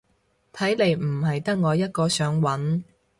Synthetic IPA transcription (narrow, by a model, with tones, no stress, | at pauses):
t̪ʰɐ˨˥jle˨˧jm̩˨˩ɦɐ˨jt̪ɐ˥k̚ŋɔː˨˧jɐ˥t̚kɔː˧sœː˨˥ŋwɐ˨˥n